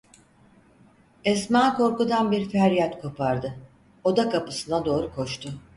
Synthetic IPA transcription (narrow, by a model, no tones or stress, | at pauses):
ɛsmaːko̞ɾkud̪anbiɾfæɾijat̪kʰo̞pʰaɾd̪ɯ | o̞d̪akʰapɯ̥sɯnad̪o̞ːɾukʰo̞ʃt̪ʰʊ